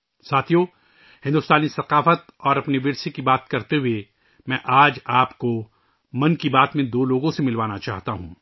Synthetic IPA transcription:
saːt̪ʰijo | hɪ̃nd̪ʊst̪aːnisɐqaːfət̪ɔːɾɐpniʋɪɾsekibaːt̪kɐɾt̪eɦue | mɛ̃ːʔaːd͡ʒaːpko | mɐnkibaːt̪mẽd̪oːloːɡõsemɪlʋaːnat͡ʃaːɦt̪aɦũː

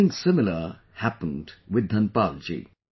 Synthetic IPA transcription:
ɪ̃ŋsɪmɪlə | hæpə̃ndwɪd̪ːʌnpald͡ʒḭ

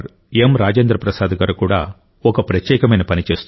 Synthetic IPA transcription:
ɾ | emɾaːd͡ʒend̪ɾɐpɾɐsaːd̪ɐɡaːɾukuːɽaː | ɔkɐpɾɐt̪jɛːkɐmɐjnɐpɐnit͡ʃe̞ːst̪u

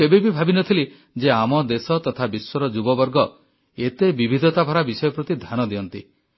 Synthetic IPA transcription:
ebibibʱabinɔt̪ʰili | d͡ʒeamɔd̪esɔt̪ɔt̪ʰabiswɔɾɔd͡ʒubɔbɔɾɡɔ | et̪ebibʱid̪ʱɔt̪abʱaɾabisɔjɔpɾɔt̪id̪ʱanɔd̪iɔnt̪ḭ

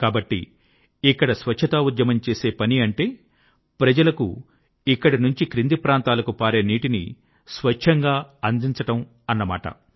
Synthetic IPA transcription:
kaːbɐʈːḭ | ikːɐɽɐsʋɐt͡ʃt͡ʃʰɐt̪aːud̪jɐmɐmt͡ʃe̞ːse̞ːpɐniɐɳʈe̞ː | pɾɐd͡ʒɐlɐkṵ | ikːɐɽinuɲt͡ʃikɾind̪ipɾaːnt̪aːlɐkupaːɾeːniːʈinḭ | sʋɐʂʰɐŋɡaːɐnd̪iɲt͡ʃɐʈɐm | ɐnːɐma̰ːʈɐ̰

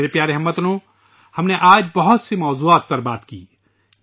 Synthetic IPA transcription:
eɾepjaːɾeɦmət̪nõ | hɐmneʔaːd͡ʒbɐɦʊt̪semɔːzuaːt̪̚pɐɾbaːt̪kiː

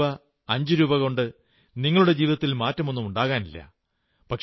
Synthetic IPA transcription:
ɐ | ɐɲd͡ʑɨɾuːbɐɣoɳɖɨ | niŋːɐɭuɽe̞d͡ʑiːʋiðɐt̪ːilmaːtːɐmo̞nːumuɳɖaːɣaːnilːɐ̰ | pɐkʂ

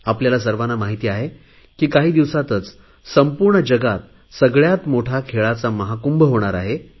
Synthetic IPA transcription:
apljalas̬əɾʋanamaɦit̪iːaɦe | kiːkaɦiːd̪iʋsat̪ət͡s | səmpuɾɳəd͡ʑəɡat̪̚ | səɡɭjat̪moʈʰakʰeɭat͡saməɦakumbʱəɦoɽ̃aɾa̰ɦe

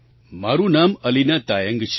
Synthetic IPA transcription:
maːɾunaːmɐlinat̪aːjɐŋɡʃʰ

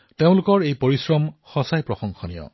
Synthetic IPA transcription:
teʊ̃lʊkɔɹejpoɹisɹɔmxɔsajpɹɔxɔŋxɔnḭjɔ̰

